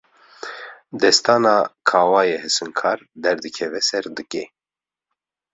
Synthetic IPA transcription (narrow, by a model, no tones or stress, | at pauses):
d̪ɛst̪aːnaːkʰaːwaːjɛhɨsɨŋkʰɑːɾd̪ɛɾd̪ɨkʰɛvɛsɛɾd̪ɨke